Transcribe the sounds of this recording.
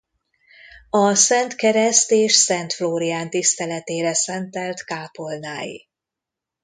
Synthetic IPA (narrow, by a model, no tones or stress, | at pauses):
ɒsɛnt̪kɛɾɛst̪eːʃsɛnt̪floːɾijaːnt̪ist̪ɛlɛt̪eːɾɛsɛnt̪ɛlt̪kaːpo̞lnaːjḭ